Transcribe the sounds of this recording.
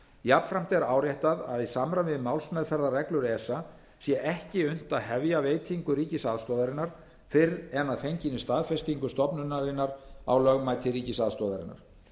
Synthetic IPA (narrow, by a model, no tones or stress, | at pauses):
jap̪fɾam̥t̪ɛɾaːwɾjaht̪aða̰ðisamɾavɪðmawlsmɛðfɛɾðarɛklʏɾɛsa | sjɛʔɛhcɪʏn̥t̪aðhɛvjaveːjt̪ʰiŋkʏɾiːcɪsaðst̪ɔːðaɾɪnːaɾ̥ | fɪɾɛnaðfejɲcɪnʏst̪aːðfɛst̪iŋkʏst̪ɔpnʏnːaɾɪnːaɾa̰wlœɣmaːjt̪ʰɪriːcɪsaðst̪ɔːðaɾɪ̰nːa̰ɾ̥